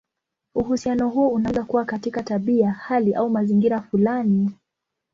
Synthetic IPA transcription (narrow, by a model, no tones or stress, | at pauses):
uhusianɔɦuɔunazakuwakatikataɓiahaliʔaumaziŋɡiɾafulani